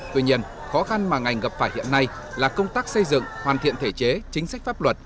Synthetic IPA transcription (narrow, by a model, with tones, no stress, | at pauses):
t̪wi˧ɲi˧ən | xɔ˨˦xa˧nmaː˨˩ŋa˨˩jŋ̟ɣə˨˩p̚faː˧˩jhḭ˧˨ənːa˧j | laː˨˩kə˧wŋ͡mt̪aː˦˥k̚sə˧jzɨ̰˧˨ŋhwaː˨˩nt̪ʰḭ˧˨ənt̪ʰe˧˩t͡ɕe˨˦t͡ɕï˨˦ŋ̟sa˦˥k̟̚faː˦˥p̚lwə˨˩t̚